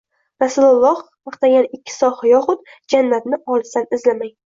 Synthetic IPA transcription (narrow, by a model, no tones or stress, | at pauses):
ɾasʊlalˠːɒh | ɑqt̪aɡʲanɪkʲʰːɪ̥sɒhajɒχʊd̪d͡ʒanːat̪nɪɒlˠsanɪzlamaj